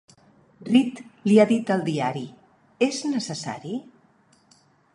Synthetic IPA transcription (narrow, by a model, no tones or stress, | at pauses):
rit̪liaðit̪əlˠd̪iaɾi | eznəsəsa̰ɾi